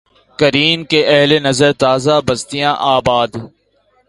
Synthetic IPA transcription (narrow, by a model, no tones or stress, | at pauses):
kɐɾiːnkeʔɛɦlenɐzəɾt̪aːzabɐst̪ijãːʔaːbaːd̪